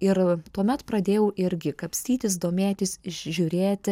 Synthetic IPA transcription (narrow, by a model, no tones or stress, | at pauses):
ɪɾt̪uɔmʲɛt̪pɾɐd̪ʲeːjɛʊʔɪɾʲɡʲɪkɐpʲsʲt̪ʲiːt̪ʲɪs̬d̪oːmʲeːt̪ʲɪsʒʲuɾʲeːt̪ʲ